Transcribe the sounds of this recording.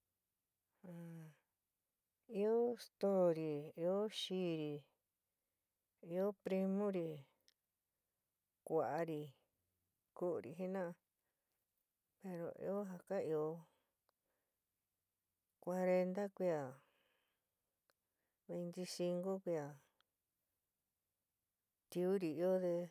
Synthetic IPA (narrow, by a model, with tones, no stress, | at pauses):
ã˨ | i˧o˦st̪o˦ɾi˨i˧o˦ʃiː˧˦ɾi˧ | i˧o˦pɾi˧mõ˦ɾi˧ | kʷa˨ʔa˧ɾi˧ | ku˦ʔu˧ɾḭ˨ɦi˦nã˦˧ | pe˧ɾo̰˨ḭ˧o˦ɦa˧ka˦i˧o˧ | kʷa˧ɾe˧nd̪a˦kʷi˧a˨ | βe˧nt̪i˧si˧ŋɡo˦kʷi˧a˨ | t̪i˧u˦ɾi˨i˧o˦d̪e˧